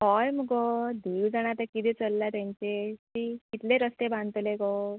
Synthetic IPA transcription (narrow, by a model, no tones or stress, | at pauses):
ɦɔjməɡɔd̪iːwd͡zaɽ̃at̪akit̪it͡səlːat̪jãɲt͡ɕetikit̪leɾəst̪ebʱant̪lekɔ